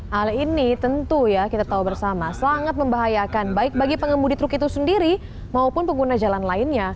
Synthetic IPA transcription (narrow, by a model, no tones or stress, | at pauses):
halinit̪ənt̪ujakit̪at̪aubərsamasaŋat̪̚məmbaɦajakanbaɪk̚baɡipəŋəmudit̪ɾʊkit̪usəndiɾi | maupʊnpəŋɡunad͡ʒalanlaɪnɲa